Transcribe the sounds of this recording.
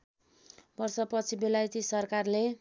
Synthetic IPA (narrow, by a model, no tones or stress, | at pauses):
bʌrsʌpʌt͡sʰibelajt̪isʌrkarle